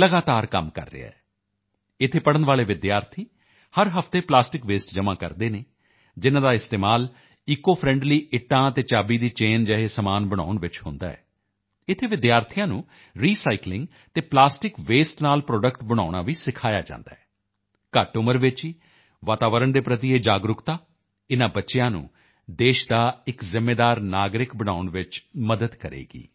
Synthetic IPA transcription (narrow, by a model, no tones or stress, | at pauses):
ləɡaːt̪aːɾkə̰mkə̰ɾːḛa̰ːɛː | ɪt̪ʰːeːpəɽənʋaːleːʋɪd̪jaːɾt̪ʰiː | həɾɦəfʰt̪eːplaːsʈɪkʋeːsʈd͡ʒəmãːkə̰ɾd̪eːneː | d͡ʒɪnãːd̪aːɪst̪eːmaːl | iːkːoːpʰɾɛ̃ɳɖliːʔɪʈːãːt̪eːt͡ʃaːbiːd̪iːt͡ʃeːnd͡ʒɛːɦeːsəmaːnbəɽ̃a̰ːʊɳʋɪt͡ʃɦʊ̰̃nd̪a̰ːɛ̰ː | ɪt̪ʰeːʋɪd̪jaːɾt̪ʰijãːnũː | ɾiːsaːiklɪ̃ŋɡ | t̪eːplaːsʈɪkʋeːsʈnaːlpɾɔːɖəkʈbəɽ̃aːʊɽ̃aːʋiːsɪkʰaːja̰ːd͡ʒã̰ːnd̪a̰ːɛː | kəʈʊməɾʋɪt͡ʃɦiː | ʋaːt̪aːʋəɾəɳd̪eːpɾət̪ieːd͡ʒaːɡɾʊkt̪aː | ɪnãːbətːʃejãːnṵ̃ː | d̪eːʃd̪aːɪkzɪmːeːd̪aːɾnaːɡɾɪkbəɽ̃aːʊɳʋɪt͡ʃməd̪əd̪kəɾḛːɡḭː